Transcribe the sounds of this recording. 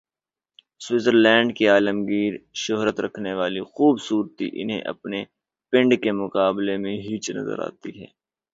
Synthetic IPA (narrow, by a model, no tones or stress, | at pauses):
swɪzəɾlɛ̃ːɳɖkeaːləmɡiːɾʃʊɦɾət̪ɾɐkʰneʋaːlixuːbsuːɾt̪ḭʔɪ̰nɦḛ̃ʔɐ̰pne | pɪ̃ɳɖkemʊkaːblemẽɦiːt͡ʃnɐ̰zə̰ɾa̰ːt̪iɦɛ̰ː